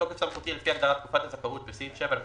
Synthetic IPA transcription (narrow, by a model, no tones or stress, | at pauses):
okefsamχut̪ialefiaɡd̪aʁat̪̚kufat̪hazakaʁut̪besifʃeval